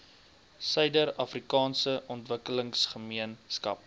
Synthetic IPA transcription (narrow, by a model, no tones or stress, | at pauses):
sœɥdəɾɐfrikɑːnsəʔɔntvəkələŋsχəmiənskɐ̰p̚